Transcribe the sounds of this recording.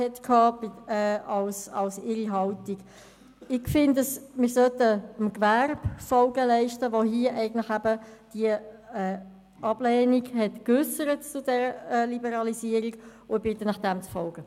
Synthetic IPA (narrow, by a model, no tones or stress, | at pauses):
hɛtkʰɑːb̥ɪɛːɑlsɑlsɪɾiɦɑltiɡ | ɪɡfɪndəsmɪɾsœtəəmkværbfɔlɡəlɛɪʃtəvoɦiəʔɛɪɡəntlɪxæbəd̥iəɛː | ɑb̥lɛːniɡhɛtkʏsəɾətt͡sʊdɛɾəɛlibəɾɑlisiəɾikʊb̥ɪtənɑχd̥ɛmt͡sfɔlɡ̥ə